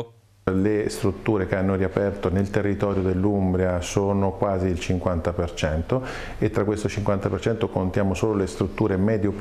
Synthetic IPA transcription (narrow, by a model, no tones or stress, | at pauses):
lest̪ɾut̪ːuːɾekeanːoɾiapɛrt̪onelt̪erːit̪ɔːɾjod̪elːumbɾiasoːnokwaːziːlt͡ʃiŋkwant̪apert͡ʃɛnt̪o | et̪ːɾakːwest̪ot͡ʃiŋkwant̪apert͡ʃɛnt̪okont̪jaːmosoːlolest̪ɾut̪ːuːɾemɛːd̪jop